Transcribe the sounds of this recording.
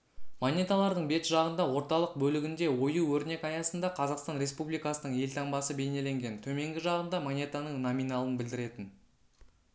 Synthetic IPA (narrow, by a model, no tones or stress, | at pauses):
monʲet̪alˠɑɾd̪əɴbe̞t̪ʒɑʁənd̪ɑwo̞ɾt̪ɑlˠəq̚bɵlɪɡʲɪnd̪e̞wo̞juwɵɾne̞kɑjɑsənd̪ɑqʰɑzɑqst̪ɑnɾe̞spublijkɑsənəɴe̞lt̪ʰɑɴbɑsəbe̞jne̞le̞ŋɡʲe̞nt̪ʰɵme̞ŋɡʲɪʒɑʁənd̪ɑmonʲet̪anəɴnomijnɑlˠənbɪld̪ɪɾe̞t̪ɪn